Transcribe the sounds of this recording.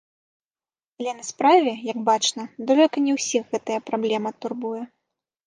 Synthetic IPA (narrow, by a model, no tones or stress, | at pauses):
ɐlʲɛnɐspɾavʲɛjɐɡbat͡ʂnɐd̪ɔlʲɛkɐnʲɛwsʲiɣɣɛt̪ɐjɐpɾablʲɛmɐt̪urbujɛ